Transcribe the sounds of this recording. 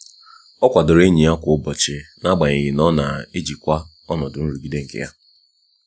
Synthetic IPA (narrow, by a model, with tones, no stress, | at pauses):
ɔ˦kʷa˨dʊ˨ɾe˦ɲi˨a˦kʷʊ˨ʊ˦bɔ˨t͡ʃɪ˨na˦ɡ͡ba˨ɲe˨ɣɪ˨nɔ˦na˨e˦d͡ʒi˨kʷa˦ | ɔ˦nɔ˨dʊ˨n̩˦ɾu˨ɡi˦de˦ŋ̩˨kḛ˦ja˦